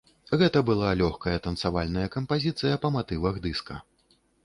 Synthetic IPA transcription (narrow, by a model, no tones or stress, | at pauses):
ɣɛt̪ɐbɨlˠalʲɔxkɐjɐt̪ɐnt̪savalʲnɐjɐkɐmpazʲit̪sɨjɐpɐmat̪ɨvɐɣd̪ɨskɐ